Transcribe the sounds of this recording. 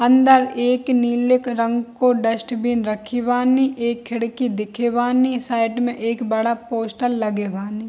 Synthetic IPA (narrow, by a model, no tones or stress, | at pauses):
ɐ̃nd̪əɾeːkniːlɪkɾə̃ŋɡkoɖəsʈbiːnɾɐkʰiʋaːniʔeːkʰːɪɽkid̪ɪkʰeʋaːnisaːɪʈmẽʔeːkbɐɽapoːsʈəlːɐɡeːʋaːni